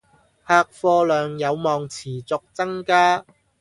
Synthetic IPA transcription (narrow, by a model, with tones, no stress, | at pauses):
haː˧k̚fɔː˧lœː˨˧ŋjɐ˨˧wmɔː˨˧ŋt͡sʰiː˨˩t͡sʊ˨˧k̚t͡sɐ˥ŋkaː˥